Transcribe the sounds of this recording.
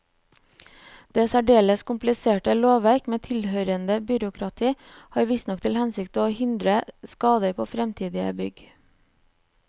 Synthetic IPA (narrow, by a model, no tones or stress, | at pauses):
d̪̥eːsæɖeːləskʰʊmplɪseːʈəloːʋæɾkmeːt̪ʰɪlhøːɾənd̪əbʏɾʊkʰɾɑt̪ʰiː | hɑːɾʋɪst̪nɔkt̪ʰɪlhɛnsɪkt̪əoːhɪnd̪ɾəskɑːd̪əɾpʰoːfɾɛmt̪ʰiːd̪ɪə̰bʏɡ